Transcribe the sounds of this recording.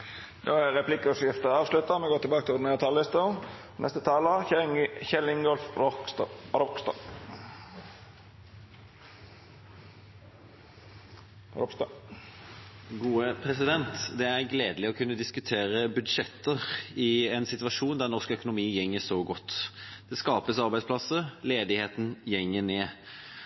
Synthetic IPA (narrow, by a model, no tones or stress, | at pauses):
d̪oːæɾɛpʰlɪkəʉsɪft̪əɑːʋslʉt̪ɑmɛɡoːɾt̪ɪlbɑːkəɪlɔd̪neːʁət̪ʰɑlɪst̪ə | nʔɛst̪ət̪ʰɑːlə | çɛlɪŋɡɔlf | ɾɔkst̪ɑ | ɾɔpst̪ɑ | ɡuːəpʰʁɛsɪd̪ɛnt̪d̪ɛæʁɡleːd̪əlɪɔkʰʉnːəd̪ɪskʉt̪ʰeːɾəbʉd̪ʂɛt̪ːəʁɪɛnsɪt̪ʋɑʂuːnd̪æʁnɔʁskœkʊnʊmiːjɛŋːəsɔɡɔt̪ːd̪̥ɛskɑːpəsɑʁbæɪsplɑsəleːd̪ɪheːt̪n̩jɛŋːəneː